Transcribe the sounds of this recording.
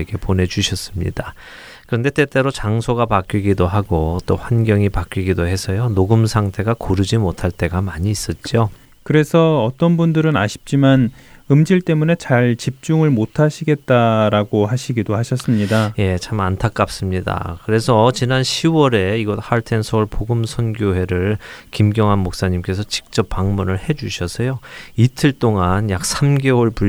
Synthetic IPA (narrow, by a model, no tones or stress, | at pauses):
ɡe̞pone̞t͡ɕuɕʰʌs͈ɯmɲḭda | kɯɾʌnde̞t͈e̞t͈e̞ɾot͡ɕaŋsʰoɡapak͈iɡidoɦaɡot͈oɸwanɡjʌŋipak͈iɡidohe̞sʰʌjonoɡɯmsʰaŋtʰe̞ɡakoɾɯd͡ʑimotʰaɭt͈e̞ɡamaɲiːs͈ʌt̚t͡ɕ͈o | kɯɾe̞sʰʌʌt͈ʌnbundɯɾɯna̰ɕʰi̥p̚t͡ɕ͈imanɯmd͡ʑiɭt͈e̞mune̞t͡ɕaɭt͡ɕip̚t͡ɕ͈uŋɯɭmotʰaɕʰiɡe̞t̚t͈aɾaɡohaɕʰiɡidohaɕʰʌs͈ɯmɲidaje̞t͡ɕʰamantʰak͈̚ap̚s͈ɯmɲida̰kɯɾe̞sʰʌt͡ɕinanɕʰiwʌɾe̞iɡʌt̚haɭtʰe̞nsʰʌɭpoɡɯmsʰʌnɡjoɦe̞ɾɯɭkimɡjʌŋɦanmok̚s͈aɲimk͈e̞sʰʌt͡ɕi̥k̚t͡ɕ͈ʌp̚p͈ːaŋmunɯɭhe̞d͡ʑuɕʰʌsʰʌjoitʰɯɭt͈oŋanjak̚sʰamɡe̞wʌɭpu